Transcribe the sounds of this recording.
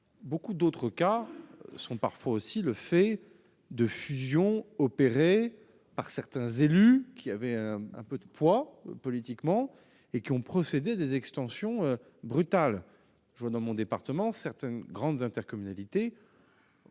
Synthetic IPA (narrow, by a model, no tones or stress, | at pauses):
bokud̪ot̪χəkasɔ̃paʁfwaosiləfɛ | d̪əfyzjɔ̃ɔpeʁe | paʁsɛʁt̪ɛ̃zelykʲʰiavɛɛ̃ɛ̰̃pød̪əpwapɔlit̪ikmɑ̃ | ekʲiɔ̃pχɔsed̪ead̪ezɛkst̪ɑ̃sjɔ̃ø | bʁyt̪al | ʒəwad̪ɑ̃mɔ̃d̪epaʁt̪əmɑ̃sɛʁt̪ɛnɡʁɑ̃d̪zɛ̃t̪ɛʁkɔmynalit̪e